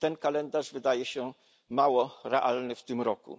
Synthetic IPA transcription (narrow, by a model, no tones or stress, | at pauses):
t̪ɛnkalɛnd̪aʐvɘd̪ajɛɕɛ | mawɔɾɛʔalnɘft̪ɘmɾɔkṵ